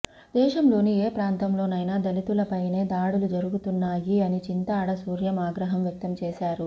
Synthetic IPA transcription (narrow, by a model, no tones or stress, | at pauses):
d̪ɛːʃɐmlo̞ːnieːpɾaːnt̪ɐmlo̞ːnɐjnaːd̪ɐlit̪ulɐpɐjne̞ːd̪aːɽulud͡ʒɐɾuɡut̪unːaːjiɐnit͡ʃint̪ɐːɽɐsuːɾjɐmaːɡɾɐɦɐmjɐk̚t̪ɐmt͡ʃɛːʃaːɾu